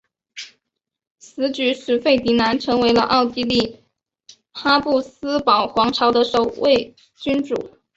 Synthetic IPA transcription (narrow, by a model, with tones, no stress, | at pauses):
sɹ̩˧˥t͡ɕy˧˥ʂɻ̩˨˩fe˥˩ɪt̪i˧˥na˧˥nʈ͡ʂʰɤ˧˥ŋwe˧˥ɪlə̰˧ʔɑ˥˩ʊt̪i˥li˥˩ | xa˥pu˥˩s̩˥pɑ˨˩ʊxwɑ˧˥ŋʈ͡ʂʰɑ˧˥ʊd̪ə˧ʂo˨˩ʊwe˥˩ɪ | t͡ɕy˥nʈ͡ʂṵ˨˩˦